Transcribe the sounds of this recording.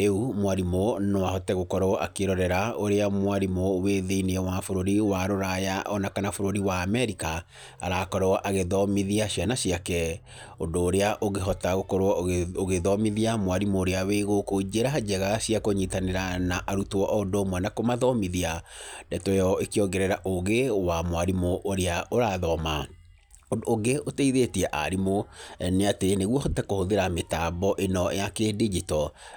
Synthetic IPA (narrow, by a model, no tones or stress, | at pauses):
eumwaɾimonowaɦɔtɛɣokɔɾoa̰keɾɔɾɛɾaoɾeamwaɾimoweðeiniɛwafoɾoɾiwaɾoɾajaʔɔnakanafoɾoɾiwaːmɛɾika | aɾakɔɾɔaʔaɣeðɔmiðiaɕianaɕiakɛ | ondoːɾeaʔoɣeɦɔtaɣokɔɾoɔoɣeðɔmiðiamwaɾimoːɾeaweɣokod͡ʒeɾad͡ʒɛɣaɕiakoɲitaneɾanaʔaɾutɔʔɔndoːmwɛnakomaðɔmiðiadɛtɔjɔekeɔŋɡɛɾɛɾaʔoɣewamwaɾimoʔːɾeaʔoɾaðɔma | odːɡeʔoteiðetiɛʔa̰ɾimoɛneateneɣwɔhotɛkohoðeɾametabɔʔenɔjakedid͡ʒitɔ